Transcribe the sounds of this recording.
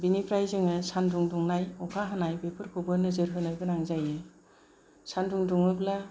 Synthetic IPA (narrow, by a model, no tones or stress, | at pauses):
binipʰɾajzɯŋɯsanduŋduŋnajɔkʰaɦanajbepʰɯɾkʰubɯnɯzɯɾɦɯnajbɯnaŋzajɯ | sanduŋduŋɯpla